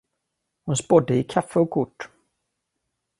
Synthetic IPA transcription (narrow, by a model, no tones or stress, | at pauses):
hʊnspɔd̪ːəɪkʰafːəɔkʰʊʈː